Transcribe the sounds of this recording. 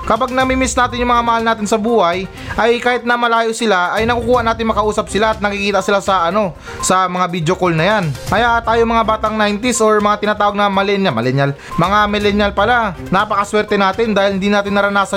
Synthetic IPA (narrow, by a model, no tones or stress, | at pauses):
kɐbaɡ̚nɐmimɪsnaːt̪ɪnjʊŋmɐŋamɐhalnaːt̪ɪnsɐbuːhɐj | ʔɐjkaːhɪt̪̚nɐmɐlaːjosɪlaʔɐjnɐkukuːhɐʔnaːt̪ɪŋmɐkɐʔuːsɐp̚sɪlaːt̪̚nɐkɪkiːt̪ɐsɪlasɐʔɐno̞ | sɐmɐŋabid̪jokolnɐjankɐjaʔt̪aːjomɐŋabaːt̪ɐŋnajnt̪ɪsʔoɹmɐŋat̪ɪnaːt̪aːwɐɡ̚nɐmɐlɛnjamɐlɛnjal | mɐŋamɛlɛnjɐlpɐlanapɐkɐswɛɾt̪ɛnaːt̪ɪnd̪aːhɪlhɪnd̪inaːt̪ɪnːɐɾɐnaːsɐ